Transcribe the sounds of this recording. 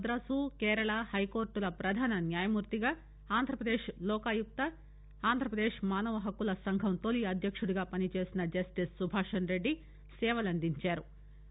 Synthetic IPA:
d̪ɾɐsuːkɛːɾɐɭaːhɐjko̞ːɾʈulɐpɾɐd̪ʱaːnɐnjaːjɐmuːɾt̪iɡaː | aːnd̪ʱɾɐpɾɐd̪eːʂlɔːkaːjuk̚t̪ɐ | aːnd̪ʱɾɐpɾɐd̪eːʂmaːnɐʋɐɦɐkːulɐsɐŋɡʱɐmt̪oliɐd̪ʱjɐkʂuɽuɡaːpɐnit͡ʃe̞ːsinɐd͡ʒɐsʈissubʱaːʂɐnɾe̞ɖːi | sɛːʋɐlɐnd̪iɲt͡ʃaːɾu

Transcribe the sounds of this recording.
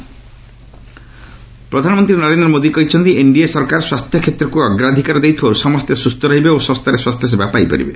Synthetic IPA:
pɾɔd̪ʱanɔmɔnt̪ɾinɔɾend̪ɾɔmod̪ikɔjt͡ʃʰɔnd̪ieɳɖiesɔɾkaɾswast̪ʰjɔkʰet̪ɾɔkuɔɡɾad̪ʱikaɾɔd̪ejt̪ʰowsɔmɔst̪esust̪ʰɔɾaɦibeosɔst̪ʰaɾeswast̪ʰjes̬ebjapaipo̰ɾḭbḛ

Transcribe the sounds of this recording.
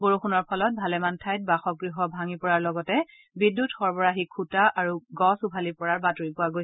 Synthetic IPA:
boɹuxunɔɹpʰɔlɔt̚bʱalɛmantʰajt̚baxɔk̚ɡɹiɦɔbʱaŋipɔɹaɹlɔɡɔtɛ | bidːutxɔɹbɔɹaxikʰːutaʔaɹuɡɔsupʰalipɔɹaɹbatuɹipʊwaɡojs

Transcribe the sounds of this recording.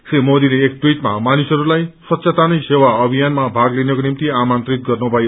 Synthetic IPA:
semod̪ileːkʈwiʈma̰manisʌɾulajsʌt̪ːsʰet̪anʌjsewaʌbʱijanmabʱaɡlenʌkonimt̪iamant̪rit̪̚ɡʌrnubʱʌjo

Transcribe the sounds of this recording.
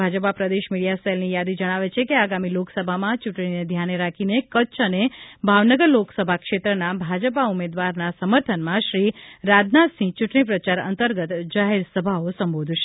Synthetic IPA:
bʱad͡ʒəpapɾəd̪eʃmiɽijaselnijad̪id͡ʒəɽ̃aʋet͡ʃʰekeaɡamiloksəbʱamãt͡ʃuʈɽ̃ined̪ʱjaneɾakʰinekət͡ʃənebʱaʋnəɡəɾloksəbʱakʃet̪ɾənabʱad͡ʒəp̬aumed̪ʋaɾnasəməɾt̪ʰənmãʃɾiɾad̪nat̪sĩt͡ʃuʈɳ̃ipɾət͡ʃaɾə̰nt̪əɾɡət̪d͡ʒaɦeɾsəbʱaosəmbod̪ʱʃe̥

